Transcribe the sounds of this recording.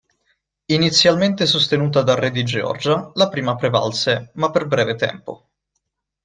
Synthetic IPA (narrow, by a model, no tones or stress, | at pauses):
init̪sːjalment̪esost̪enuːt̪̬ad̪arːɛd̪id͡ʒeɔ̰rd͡ʒalapɾiːmapɾeva̰lsemapːerbɾɛːvet̪ɛ̰mpo̰